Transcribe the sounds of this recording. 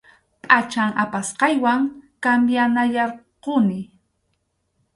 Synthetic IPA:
pʼat͡ʃaŋapasqɑjwaŋkambjanajɑɾqʊnɪ

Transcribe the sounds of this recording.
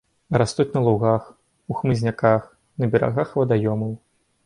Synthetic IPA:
ɾast̪ut͡sʲnɐlˠuɣax | uxmɨzʲnʲakax | nɐbʲɛɾa̰ɣaxvɐd̪ajɔmɐw

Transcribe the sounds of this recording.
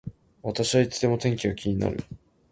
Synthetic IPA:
βat̪aɕiβait͡sɨd̪e̞mo̞t̪ẽ̞ŋkʲiɡakʲiɲ̟ina̰ɾɯ̟̰

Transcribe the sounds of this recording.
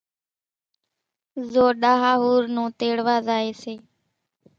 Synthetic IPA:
zoːɗaːɦaːɦuːɾnũːt̪eːɽʋaːzaːeːseː

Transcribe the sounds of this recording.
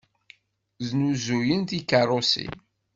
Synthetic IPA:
znuzujənt̪ikarˤosḭ

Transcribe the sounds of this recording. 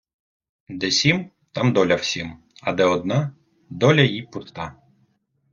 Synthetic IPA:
d̪ɛsʲim | t̪ɑmd̪ɔlʲɐw̥sʲim | ɐd̪ɛɔd̪nɑ | d̪ɔlʲɐjipʊtt̪ɑ

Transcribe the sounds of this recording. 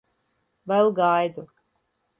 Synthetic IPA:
vɛlˠɡajd̪u

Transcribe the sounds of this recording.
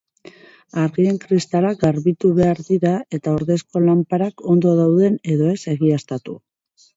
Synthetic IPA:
aɾɣie̞ŋkɾist̪alaɡaɾβit̪uβe̞aɾðiɾae̞t̪aoɾðe̞sko̞lampaɾako̞nd̪o̞ðawðe̞ne̞ðo̞e̞se̞ɣiast̪at̪u

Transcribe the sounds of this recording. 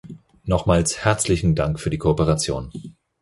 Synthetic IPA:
nɔχmaːlshɛɐt͡slɪçn̩daŋkfyːɐdiːkʰoopəʁat͡sjo̰ːn

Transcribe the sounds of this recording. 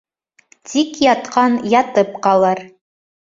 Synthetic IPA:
t̪ʰikjɑt̪qɑnjɑt̪ɤp̚qɑlˠɤɾ

